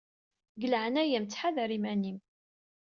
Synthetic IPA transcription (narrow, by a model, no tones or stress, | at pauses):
ɡələʕənæjæmt͡sːħaðɾimænim